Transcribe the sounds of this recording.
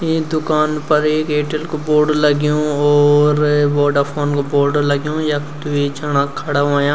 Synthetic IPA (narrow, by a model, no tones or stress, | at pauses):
ed̪ʊkaːnpɐɾeːkeːʈəlkoboːɖlɐɡjũɔːɾʋɔːɖəɾpʰoːnkoboːɖlɐɡjũːjɐkt̪uid͡ʒɐɽ̃ãkʰɐɽaʋãːjãː